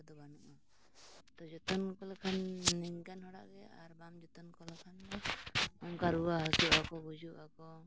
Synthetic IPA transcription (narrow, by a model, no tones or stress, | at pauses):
d̪ɔbanɔʔa | t̪ɔd͡ʒɔt̪ɔnkɔlkʰanːɛɲkanhɔɽa̰ʔɡɛaɾbamd͡ʒɔt̪ɔnkɔlɔkʰandɔɔŋkaɾuaɦɔsuakɔbud͡ʒuakɔ